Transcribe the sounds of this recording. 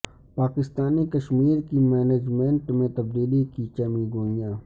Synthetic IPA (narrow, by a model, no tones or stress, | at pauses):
paːkɪst̪aːnikəʃmiːɾkimɛːneːd͡ʒmẽɳʈmẽt̪ɐb̚d̪iːlikit͡ʃɐmĩɡoːijãː